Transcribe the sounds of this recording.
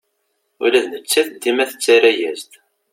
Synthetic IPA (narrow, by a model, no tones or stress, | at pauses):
ʊ̰læðnət͡sːæθd̪ːimæθə̥t͡sːæɾæjæzt̪